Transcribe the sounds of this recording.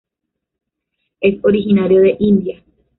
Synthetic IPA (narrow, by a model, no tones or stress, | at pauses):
e̞so̞ɾiɦinaɾjo̞ðe̞ʔĩnd̪ija